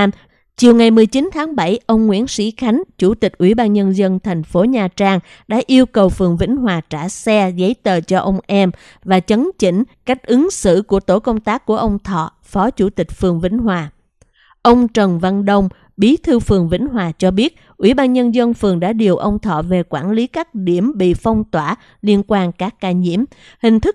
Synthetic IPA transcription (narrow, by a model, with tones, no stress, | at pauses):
t͡ɕi˨˩əwŋa˨˩jmɨ˨˩əjt͡ɕi˨˦nt̪ʰaː˨˦ŋɓa˧˩jʔə˧wŋ͡mŋwḭ˧˥ənsḭ˧˥xa˨˦jŋ̟t͡ɕu˧˩t̪i˨˩k̟̚ʔwḭ˧˩ɓaː˧nɲə˧nzə˧nt̪ʰa˨˩jŋ̟fo˨˦ɲaː˨˩t͡ɕaː˧ŋ | ɗa̰ː˧˥ʔi˧əwkə˨˩wfɨ˨˩əŋvḭ˧˥ŋ̟ɦwaː˨˩t͡ɕaː˧˩sɛ˧ɣə˨˦jt̪əː˨˩t͡ɕɔ˧ʔə˧wŋ͡mʔɛ˧m | vaː˨˩t͡ɕə˨˦nt͡ɕḭ̈˧˥ŋ̟ka˦˥jk̟̚ʔɨ˨˦ŋsɨ̰˧˥ku˧˩ət̪o˧˩kə˧wŋ͡mt̪aː˦˥k̚ːu˧˩əʔə˧wŋ͡mt̪ʰɔ̰˧˨ | fɔ˨˦t͡ɕu˧˩t̪ï˨˩k̟̚fɨ˨˩əŋvḭ˧˥ŋ̟ɦwaː˨˩ | ʔə˧wŋ͡mt͡ɕə˨˩nva˧nɗə˧wŋ͡m | ɓi˨˦t̪ʰɨ˧fɨ˨˩əŋvḭ˧˥ŋ̟ɦwaː˨˩t͡ɕɔ˧ɓi˦˥ət̚ | ʔwḭ˧˩ɓaː˧nɲə˧nzə˧nfɨ˨˩əŋɗa̰ː˧˥ɗi˨˩əwʔə˧wŋ͡mt̪ʰɔ̰˧˨ve˨˩kwaː˧˩nli˨˦kaː˦˥k̚ɗi˧˩əmɓḭ˧˨fa˧wŋ͡mt̪waː˧˩ | li˧ənkwaː˧nkaː˦˥kːaː˧˩ɲḭ˧˥əm | hï˨˩ŋ̟t̪ʰɨ˦˥